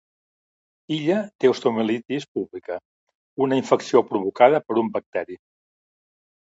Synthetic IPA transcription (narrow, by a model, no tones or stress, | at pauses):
iʎət̪eust̪omilit̪ispuβlikə | unəiɱfəksiopɾuβukaðəpəɾumbək̚t̪ɛɾi